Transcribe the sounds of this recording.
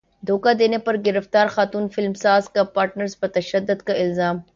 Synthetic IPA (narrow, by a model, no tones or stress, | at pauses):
d̪ʱoːkad̪eːnepɐɾɡɪɾəft̪aːɾxaːt̪uːnfɪlmsaːzkapaːɾʈnəɾzbɐt̪ɐʃɐd̪ːʊd̪kaɪlzaːm